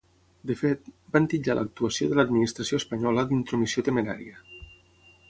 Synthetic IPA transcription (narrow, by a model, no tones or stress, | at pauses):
d̪əfet̪bant̪iʎalʔə̰k̚t̪uəsioðələd̪minist̪ɾəsioespəɲɔləd̪int̪ɾomisiot̪əmeɾa̰ɾiə